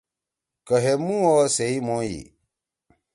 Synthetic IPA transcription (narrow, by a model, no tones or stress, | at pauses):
kəɦɛmũɔsɛimɔ̃jḭ